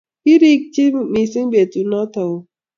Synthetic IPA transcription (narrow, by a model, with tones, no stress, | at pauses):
i˦ɾi˦k̚t͡ʃi˦mi˨si˦be˨t̪u˨na˦t̪a˨wo˨